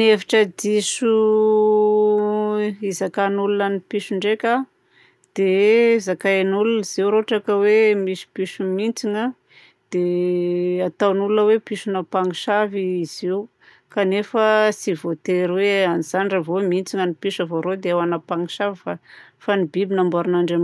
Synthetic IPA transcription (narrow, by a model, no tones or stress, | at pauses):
nefi̥ʈ͡ʂədisu | izakanulunənipiʃuɳɖ͡ʐekʲa | d̪̥ezakanulunəz̥iwɾoʈ͡ʂakəwemisu̥piʃumint͡siŋə | d̪̥e | at̪awnulunəwepiʃunəpaŋiʃaviiziw | kanefəsivot̪eɾiweaniz̥anravomint͡siŋənipiʃavoɾod̪eawanapaŋiʃavifafanibibinambaɾunaɳɖ͡ʐam